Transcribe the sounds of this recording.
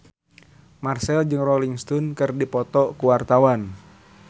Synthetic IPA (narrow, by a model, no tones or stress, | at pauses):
marsɛld͡ʒɨŋrɔliŋst̪ɔnkɨrdipɔt̪ɔkuwart̪awan